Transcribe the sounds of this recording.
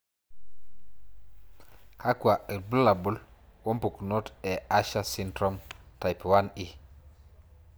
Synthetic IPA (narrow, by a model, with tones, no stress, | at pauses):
ka˦kwa˨i˨lbu˦lːa˨bu˦lwo˦mpu˨kno˦tɛ˨a˦ʃa˦si˦ndɾo˦mta˨jpwa˦ni˦